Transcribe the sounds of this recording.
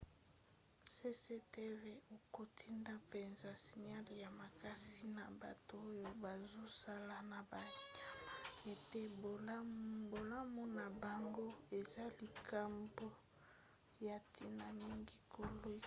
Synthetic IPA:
se˦se˦te˦ve˦o˨ko˨tʰi˦nda˦pe˨nza˨si˨ɲa˦lja˨ma˨ka˦si˦na˨ba˨toː˨˦jo˨ba˨zo˦sa˦la˨na˨ba˨a˦e˨te˦bbo˨la˦mu˦na˨ba˨ŋɡo˦e˨za˦li˨kʰa˨mbo˦ | ja˨tʰi˦na˨mi˦ŋɡi˦kʰo˨lo˦

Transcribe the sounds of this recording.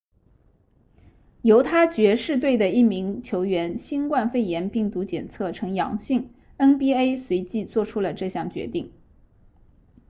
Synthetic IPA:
jo˧˥ʊt̪ʰa˥t͡ɕɥɛ˧˥ʂɻ̩˥˧t̪we˥˩ɪd̪ə˩i˥˩mi˧˥ŋt͡ɕʰjo˧˥ʊɥɛ˧˥nɕi˥nkwa˥˧nfe˥˩ɪjɛ˧˥npi˥˩ŋt̪u˧˥t͡ɕjɛ˨˩nt͡sʰɤ˥˩ʈ͡ʂʰɤ˧˥ŋjɑ̰˧˥ŋɕi˥˩ŋ | ə˥npi˥e˥ɪswe˧˥ɪt͡ɕi˥˧t͡swɔ˥˩ʈ͡ʂʰu˥lə˨ʈ͡ʂɤ˥˧ɕjɑ˥˩ŋt͡ɕɥɛ̰˧˥t̪i˥˩ŋ

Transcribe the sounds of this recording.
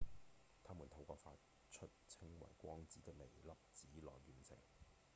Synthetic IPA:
t̪ʰaː˥mu˨˩nt̪ʰo˨˥wkɔː˧fa̰ː˧t̚ | t͡ʃʰɵ˥t̚t͡sʰɪ˥ŋwɐ̰˨˩jkʷɔː˥ŋt͡siː˨˥t̪ɪ˥k̚le˨˩jlɐ˥p̚t͡siː˨˥lɔ̰ː˨jɥyː˨nsʰɪ̰˨˩ŋ

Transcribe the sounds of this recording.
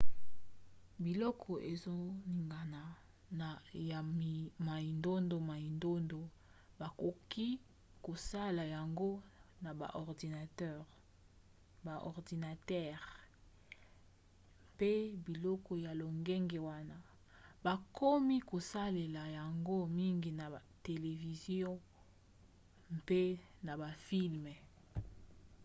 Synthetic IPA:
bi˨lɔ˦kʰɔ˨ʔe˨zo˦ni˨ŋɡa˨na˨ | na˨ja˨ma˨i˨ndo˦ndo˨ma˨i˨ndo˦ndo˨ | ba˨ko˨ki˦ | ko˨sa˦la˨ja˨ŋɡo˦na˨ba̰˨ʔɔ˨ʁdi˨na˨tɛ˦ʁ | ba˨ʔɔ˨ʁdi˨na˨tɛ˦˨ʁ | pe˦bi˨lɔ˦kɔ˨ja˨lo˨ŋɡe˦ŋɡe˨wa˦na˦ | ba˨kʰɔ˦mi˦ko˨sa˦le˨la˨ja˨ŋɡo˦mi˦ŋɡi˨na˨a˨te˨le˨vi˨zjɔ̃˦ | mpe˦na˨ba˨fi˦lmɛ˨

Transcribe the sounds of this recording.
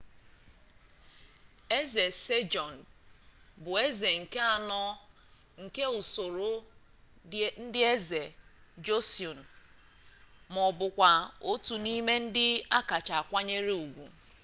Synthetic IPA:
e˦ze˨se˦d͡ʒɔ˨n̩˨ | bʊ˨e˦ze˨ŋ̩˨ke˦a˨nɔ˦ | ŋ̩˨ke˦u˨so˨ɾo˦ | n̩˦dɪ˦e˦ze˨d͡ʒo˦si˨o˨n̩˨ | mɔ˨bʊ˨kʷa˨o˦tu˨ni˦me˦n̩˦dɪ˦a˦ka˨t͡ʃa˨a˨kʷa˦ɲe˦ɾe˦u˨ɡʷu˨

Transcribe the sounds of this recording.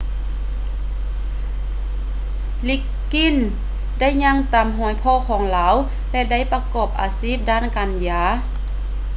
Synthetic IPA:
li˧˥kːi˧˥˨n | da˥˨jɲa˧˥˨ŋt̪a˨mɦɔː˨˦jpʰɔː˧˥˨kʰɔː˨˦ŋlaː˨˦˥w | lɛ˧da˥˨jpa˧kɔː˨˩p̚ʔa̰ː˨˧siː˦˥˩p̚daː˥˨nkaː˨njaː˧˦

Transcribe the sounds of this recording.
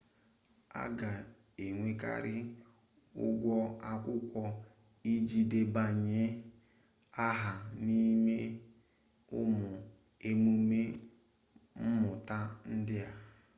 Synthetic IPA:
a̰˦ɡa˨ | e˨ŋʷe˦ka̰˦ɾɪ˦ | ʊ̰˦ɡʷɔ˦a˦kʷʊ˦kʷɔ˦ | i˦d͡ʒi˦de˦ba˦ɲe˦ | a˦ɦa˨ni˦me˦ | ʊ̰˦mʊ˨ | e˦mu˦me˦ | m̩˦mʊ˨ta˦n̩˦dɪ˦a˦

